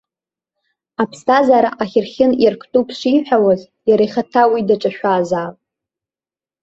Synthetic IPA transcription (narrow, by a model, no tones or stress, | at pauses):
apʰstʰazaɾaʔaχʲɪrχʲɪnirkʰtʼupʰʂʷiħʷᶣawaz | jaɾajχatʰawidaʈ͡ʂʼaʃʷᶣaːzaːpʼ